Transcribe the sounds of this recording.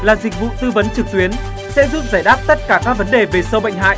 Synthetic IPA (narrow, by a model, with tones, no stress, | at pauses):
laː˨˩zï˨˩k̟̚vṵ˧˨t̪ɨ˧və˨˦nt͡ɕɨ˨˩k̚t̪wi˨˦ən | sɛ̰˧˥zu˦˥p̚zaː˧˩jɗaː˦˥t̚t̪ə˦˥t̚kaː˧˩kaː˦˥k̚və˨˦nɗe˨˩ve˨˩sə˧wɓə̰˧˨ŋ̟ɦa̰ː˧˨jʔ